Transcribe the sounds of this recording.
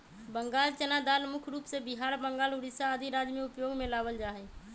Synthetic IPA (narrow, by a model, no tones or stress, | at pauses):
bəŋɡaːlt͡ʃənad̪aːlmʊkʰɾuːpsebɪɦaːɾbə̃ŋɡaːlʊɾɪsaəd̪ʱiɾaːd͡ʒmẽʊpjoːɡmẽlaːʋəld͡ʒaːɦeː